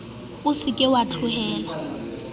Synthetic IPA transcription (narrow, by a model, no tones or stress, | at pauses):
ʊsɪkʼɪwat͡ɬʰʊhɛːla